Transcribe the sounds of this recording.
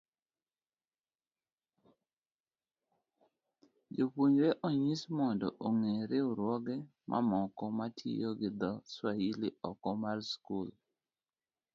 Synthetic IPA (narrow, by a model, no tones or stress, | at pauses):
d͡ʒopwoɲɾeʔoɲismɔndɔʔoŋeɾɪʊɾwɔɡɛ | mʔa̰mɔkɔmatʰḭjoɡɪd̪ɔswahiliɔkɔmarskul